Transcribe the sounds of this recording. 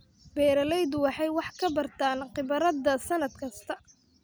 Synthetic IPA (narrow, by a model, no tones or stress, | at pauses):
bɛːɾɐlɛjd̪wɑħɑjwɑħkʰɐbɐrt̪ʰaːnqɪβɐɾɐd̪ɐsɐnɐd̪̚kʰɐst̪ʰɐ